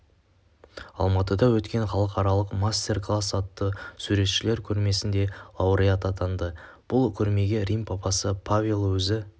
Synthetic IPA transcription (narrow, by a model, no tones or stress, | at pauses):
ɑ̰lˠmɑt̪əd̪ɑwɵt̪kʲe̞ɴχɑlˠəqɑɾɑlˠəqmast̪ʲe̞rklˠasːɑt̪ːəsʉɾe̞t̪ʃɪle̞ɾkʲʰɵɾme̞sɪnd̪e̞lˠɑwɾijat̪ɑt̪ʰɑnd̪ə | b̥ʊlˠkʲʰɵɾme̞ɡʲe̞ɾʲijmpʰɑpɑsəpʰavʲilˠwɵzɪ